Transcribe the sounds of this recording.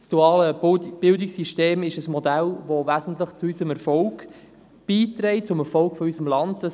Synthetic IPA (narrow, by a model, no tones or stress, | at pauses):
sd̥uɑːləb̥ɪldɪksiʃteːmɪʃəsmɔdælvovæzən̩tləχt͡suysəmɛɾfɔlɡ | b̥iːtɾɛɪt̚t͡sʊmɛɾfɔlkfɔysəmlɑndd̥ɑ